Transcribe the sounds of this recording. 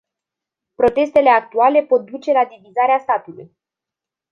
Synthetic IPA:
pɾo̞t̪e̞st̪e̞le̞akt̪uale̞po̞t̪̚d̪ut͡ʃe̞lad̪ivizaɾeast̪at̪ulṵj

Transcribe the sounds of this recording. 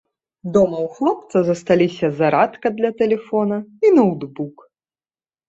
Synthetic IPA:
d̪ɔmɐwxlˠɔp̚t̪sɐzɐst̪alʲisʲɐzɐɾat̪kɐd̪lʲɐt̪ɛlʲɛfɔnɐinɐwd̪buk

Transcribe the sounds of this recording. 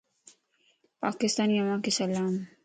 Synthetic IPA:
pa̰ːkɪst̪aːnjɐmãkesɐlaːm

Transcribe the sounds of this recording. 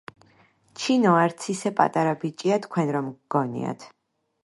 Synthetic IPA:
t͡ʃʰinɔaɾt̪sʰisɛpʼa̰t̪ʼaɾabit͡ʃʼiat̪ʰkʰwɛnɾɔmɡ̥ɔnḭa̰t̪ʰ

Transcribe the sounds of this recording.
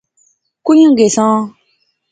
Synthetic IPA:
kuɲũŋɡesɔ̃

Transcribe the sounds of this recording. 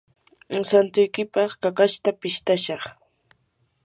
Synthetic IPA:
sant̪ʊjkɪpɑχkakaʃt̪apɪʃt̪aʃɑχ

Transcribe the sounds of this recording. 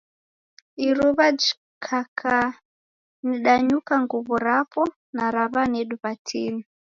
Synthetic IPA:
iɾuβad͡ʒi | kʰakʰa | niɗaɲukaŋɡuβɔɾapɔ | naɾaβanɛɗuβatʰini

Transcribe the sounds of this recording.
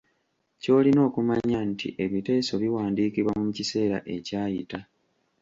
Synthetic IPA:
co̞ːlino̞ːkumaɲantʰḭʔe̞βite̞ːso̞βiwaːndiːkiβwamumucise̞ːɾa̰ʔe̞caːjita

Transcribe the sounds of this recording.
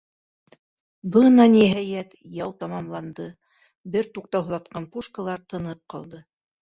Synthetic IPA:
bɤnɑniɦæjæt̪jɑwt̪ɑmɑmlˠɑnd̪ɤ | bɘɾt̪uq̚t̪ɑwhŏðɑt̪̚qɑnpuʃkalˠɑɾt̪ɤ̆nɤp̚qɑlˠd̪ɤ

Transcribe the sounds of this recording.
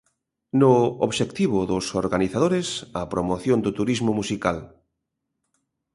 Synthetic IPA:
nʊo̰βʃekt̪iβʊðʊsoɾɣaniθað̞oɾesɐpɾomoθjond̪ʊt̪uɾizmʊmusikal

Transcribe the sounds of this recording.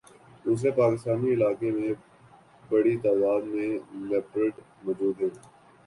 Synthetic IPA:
uːs̬epaːkɪst̪aːniɪlaːkemẽ | bɐɽit̪aːd̪aːd̪mẽleːpɾeʈ | mɔːd͡ʒuːd̪ɦɛ̃ː

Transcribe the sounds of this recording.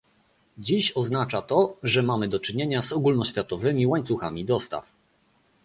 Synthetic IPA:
d͡ʑiɕɔznat͡ʂat̪ɔʐɛmamɘd̪ɔt͡ʂɘɲeɲazɔɡulnɔɕfʲjat̪ɔvɘmʲiwaɲt̪suxamʲid̪ɔst̪a̰f

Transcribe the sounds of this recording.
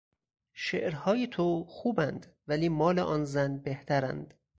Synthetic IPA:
ʃḛʔɾhɒːjet̪ʰoxuːbænd̪væliːmɒːleʔɒːnzænbeht̪ʰæɾæ̰nd̪̥

